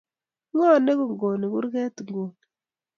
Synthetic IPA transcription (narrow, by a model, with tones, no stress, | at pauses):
ŋo˦˨ne˦ku˨ŋɡo˨ni˨ku˦ɾke˦tu˨ŋɡo˨